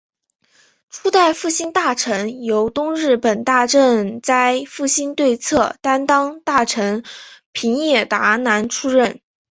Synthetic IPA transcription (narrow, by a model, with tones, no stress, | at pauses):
ʈ͡ʂʰu˥t̪a˥˧ɪfu˥˩ɕi˥nt̪a˥˩ʈ͡ʂʰɤ˧˥ŋjo˧˥ʊt̪ʊ˥ŋɻɻ̩˥˩pə˨˩nt̪a˥˧ʈ͡ʂə˥˧nt͡sa˥˧ɪfu˥˩ɕi˥nt̪we˥˧ɪt͡sʰɤ˥˩t̪a˥nt̪ɑ˥ŋt̪a˥˩ʈ͡ʂʰɤ˧˥ŋpʰi˧˥ŋjɛ˥˩t̪a˧˥na˧˥nʈ͡ʂʰu˥ɻə˥˩n